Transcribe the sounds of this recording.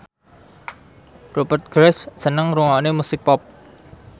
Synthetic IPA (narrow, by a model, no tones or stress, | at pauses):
robərt̪̚ɡ̥ɾɛssənəŋruŋɔnemusɪk̚pɔp̚